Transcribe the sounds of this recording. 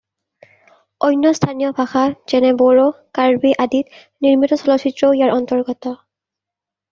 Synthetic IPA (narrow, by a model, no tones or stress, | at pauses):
ɔjnːɔstʰanijɔbʱaxaz̥ɛnɛbɔɹokaɹbiʔadit̚ | niɹmitɔsɔlɔsʰitɹɔijaɹʔɔntɔɹɡɔtɔ